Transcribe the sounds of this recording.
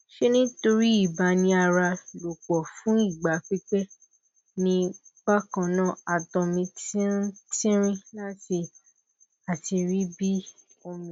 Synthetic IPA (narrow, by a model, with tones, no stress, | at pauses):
ʃe˦nĩ˦to˧ɾi˦i˦˨ba˧˦nĩ˧˦a˧ɾa˧˨lo˨k͡pɔ˨fũ˦i˦˨ɡ͡ba˨˦k͡pi˦k͡pɛ˦ | nĩ˧k͡pa˦kã˧˨nã˦˨a˨tɔ̃˨˧mĩ˧ti˦tĩ˦ɾ̃ĩ˦la˦ti˧ | a˨ti˧ɾi˦bi˦ | o˧mĩ˨